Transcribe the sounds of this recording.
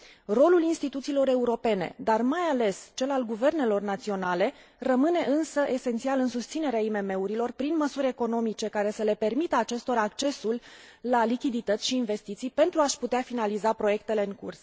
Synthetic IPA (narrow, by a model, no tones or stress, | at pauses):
ro̞lulinst̪it̪ut̪siːlo̞ɾe̞uɾo̞pe̞ne̞̰d̪armajale̞st͡ʃe̞lalɡuve̞rne̞lo̞rnat̪sio̞nale̞ | rəmɨne̞ʔɨnsəʔe̞sent̪sialɨnsust̪sine̞ɾeaime̞me̞uɾilo̞rpɾinməsuɾʲe̞ko̞no̞mit͡ʃe̞kaɾe̞səle̞pe̞rmit̪əat͡ʃe̞st̪o̞ɾaak̚t͡ʃe̞sulːalikʲid̪it̪ət̪sʲʃiːnve̞st̪it̪sijpe̞nt̪ɾuaʃput̪eafinalizapɾo̞je̞k̚t̪e̞le̞ɨŋkṵrs